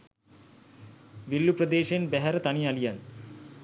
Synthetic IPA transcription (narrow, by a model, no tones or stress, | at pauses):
ʋilːuprəd̪eːʃenbæɦæɾət̪anialijan